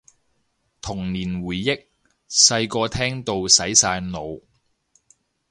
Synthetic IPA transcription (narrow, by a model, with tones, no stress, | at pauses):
t̪ʰʊ˨˩ŋniː˨˩nwuː˨˩jːɪ˥k̚ | sɐ˧jkɔː˧t̪ʰɛː˥ŋt̪o˧wsɐ˨˥jsaː˧jno˨˧w